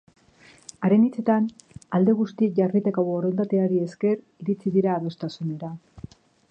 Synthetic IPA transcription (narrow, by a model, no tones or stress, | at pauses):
aɾe̞nit͡se̞t̪anald̪e̞ɣ̞ust̪iekʝarit̪ekoβooɾont̪at̪eaɾie̞ske̞r | iɾit͡siðiɾaːβe̞st̪asune̞ɾa